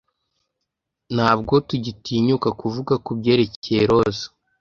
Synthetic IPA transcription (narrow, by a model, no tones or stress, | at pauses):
n̥haːb̚ɡo̞tuɟitiːɲukakuvuɡakubɟe̞ːɾeceɾo̞zḁ